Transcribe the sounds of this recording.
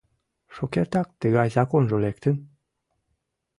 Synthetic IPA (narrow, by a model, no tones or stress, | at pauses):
ʃokeɾt̪ɑk̚t̪əɣɑjzɑkonʒolek̚t̪əm